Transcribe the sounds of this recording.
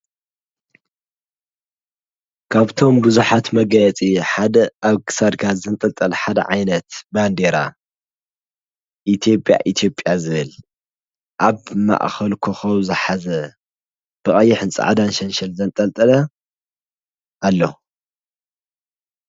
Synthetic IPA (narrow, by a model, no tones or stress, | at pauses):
kʰaβt̪ʰo̞mbɨzuħat̪mɐɡɐjɛt͡sʼiħad̪ɐaβkʰɨ̥sad̪kʰazɨnt̪ʼɐlt̪ʼɐlɐħad̪ɐ̰ʕajnɐt̪band̪eɾa̰ | ʔit̪ʰjo̞pʼja̰ʔit̪ʰjo̞pʼːjazɨβɨl | ʔaβma̰ʔxɐlkʰoxɐwzɨħazɐ | b̥ɨχʼɐjːɪħɨnt͡sʼa̰ʕad̪anʃɐnʃɐlzɐnt̪ʼɐlt̪ʼɐlɐ | ʔalːo